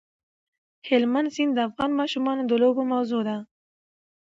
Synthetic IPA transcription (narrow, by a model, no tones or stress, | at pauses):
hɪlmansind̪əafɣɑnmɑʃumɑnod̪əlobomawzod̪a